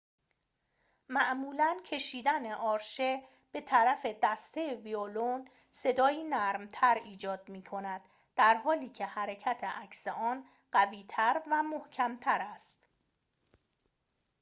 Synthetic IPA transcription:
mæʔmuːlæncʰe̞ʃiːd̪æne̞ʔɒːɾʃe | b̥e̞t̪ʰæɾæfe̞d̪æst̪ʰejeviolon | se̞d̪ɒːjiːnæɾmt̪ʰæɾiːd͡ʒɒːd̪̚miːkʰo̞næd̪̥ː | æɾɦɒːliːcʰe̞hæɾecʰæt̪ʰeʔæcseʔɒːn | ɢ̥æviːt̪ʰæɾvæmohcʰæmt̪ʰæɾæst̪

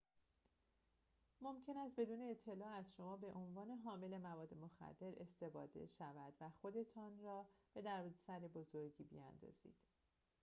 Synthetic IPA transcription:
mo̞mcʰe̞næst̪̚be̞d̪uːne̞ːt̪ʰːe̞lɒːæzʃo̞mɒːbe̞ʔo̞nvɒːne̞ɦɒːme̞le̞mævɒːd̪ːe̞moxæ̰d̪̥ːe̞ɾe̞st̪e̞fɒ̰ːd̪e̞̰ʃævæd̪væxo̞d̪e̞t̪ʰɒːnrɒːb̥e̞d̪æɾbd̪esæɾebo̞zoɾɟiːbḭæ̰nd̪ɒ̰ːz̥ḭːd̪̥

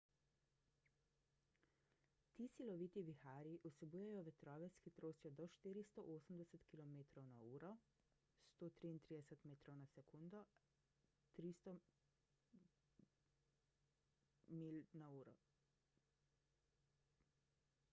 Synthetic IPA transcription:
t̪iːsilɔʋiːt̪iʋixaːɾiʔusɛbuːjajɔʋɛt̪ɾɔːʋɛsxit̪ɾoːst̪jɔd̪ɔʃt̪iːɾist̪ɔʔoːsəmd̪ɛsət̪kilɔmeːt̪ɾɔwnauːɾɔ | st̪oːt̪ɾiːnt̪ɾid̪ɛsɛt̪meːt̪ɾɔwnasɛkund̪ɔ | t̪ɾist̪ɔ | milnauːɾɔ

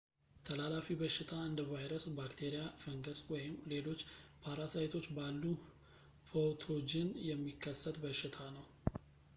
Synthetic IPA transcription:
t̪ʰəlalafibəʃɪt̪ʰaɨnd̪əvajɾəsbakt̪ʰe̞ɾijafəŋɡəswɔjɪmle̞lo̞t͡ʃːpʰaɾasajt̪ʰo̞t͡ʃːbalːu | fʰot̪ʰo̞d͡ʒɪnjɛmːikʰːəsːət̪bəʃːɪt̪ʰanəw

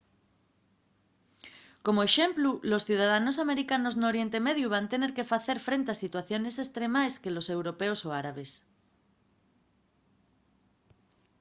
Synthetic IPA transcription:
komoeʃemplulosθjuðaðanosameɾikanoznoɾje̞nt̪emeðjuβ̞ant̪eneɾkefaθe̞ɾfɾent̪easit̪waθjo̞nesest̪ɾemajskelosewɾopeosoaɾaβ̞es

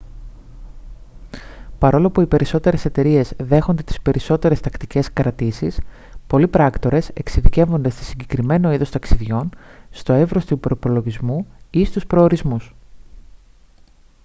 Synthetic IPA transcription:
pɐɾo̞lo̞ɐpuipe̞ɾiso̞t̪e̞ɾe̞se̞t̪e̞ɾie̞zðe̞xo̞nd̪e̞t̪i̥spe̞ɾiso̞t̪e̞ɾe̞st̪ɐkt̪ice̞skɾɐt̪isis | po̞lipɾɐkt̪o̞ɾe̞se̞̰ksiðice̞vo̞nd̪e̞st̪e̥siɲɟe̞kɾime̞no̞iðo̞st̪ɐksiðʝo̞nst̪o̞e̞vɾo̞st̪upɾo̞ipo̞lo̞ʝizmuist̪uspɾo̞ːɾizmus

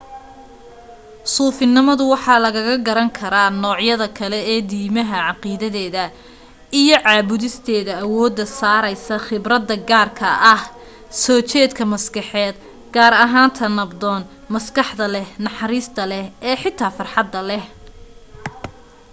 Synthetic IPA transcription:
suːfɪnɪmɐðʊwɑħɑːlɐɣɐɣɐɡɐɾɐŋkʰɐɾaːnɔːʕjɐðɐkʰɐlɛɛːd̪iːmɐɦɐʕɑqiːðɐðɛːðɐ | ʔijɞʕɑːβʊðɪst̪ʰɛːðɐːwɔːd̪ːɐsaːɾɐjsɐχɪbrɐd̪ːɐɡaːrkʰɐʔɐh | sɔːt͡ʃɛːd̪kʰɐmɐskɑħɛːd̪ | ɡaːɾɐɦaːnt̪ʰɐnɐbd̪ɔːn | mɐskɑħd̪ɐlɛhnɑħɑɾiːst̪ʰɐlɛhɛːħɪt̪ʰːaːfɑrħɑd̪ːɐlɛh

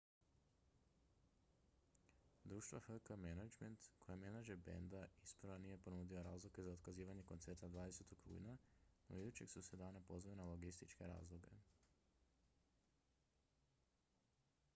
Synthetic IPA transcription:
d̪ɾuːʃt̪ʋahəkəmenad͡ʒment̪kʰo̞jemenad͡ʒeɾbḛnd̪aispɾʋaniːje̞po̞nuːd̪ioɾaːzlˠike̞zaod̪kaziːʋaɲe̞ko̞nt̪se̞ɾt̪ad̪ʋaːd̪ese̞t̪okɾṵːjnano̰id̪ut͡ɕe̞̰ksused̪aːnepo̞zʋaenalo̞ɡist̪it͡ʃkeɾa̰ːzlˠoɡe̞̰

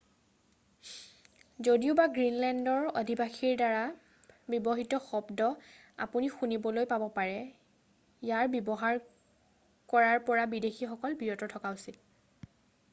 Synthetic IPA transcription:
zodiʊbaɡɹinlɛndɔɹo̰dʱibaxiɹdaɹa | bɔbɔɦitɔxɔbdɔ | a̰punixunibɔlojpabɔpaɹɛ | jaɹbjɔbɔɦaɹ | kɔɹaɹpɔɹabidexixɔkɔlbiɹɔtɔtʰɔkausit

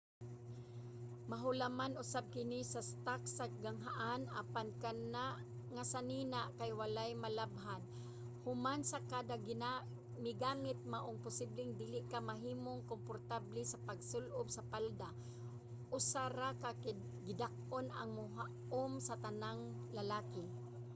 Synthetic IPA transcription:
maɦʊlamanʊsab̚kɪnisast̪aksaɡaŋɦaʔana̰pankanaʔ | ŋasaninaʔkajwalajmalabɦan | hʊmansakad̪aɡ | mɪɡaːmɪt̪̚maʔʊŋpʊsiblɪŋd̪iːlɪʔkamaɦiːmoŋkompoɾt̪ablɛsapaɡsʊlʔʊbsapald̪a | ʔʊsaɾakak | ɡɪd̪ak̚ona̰ŋmʊɦaʔ | ʊmsat̪anaŋ | lalaːkɪ

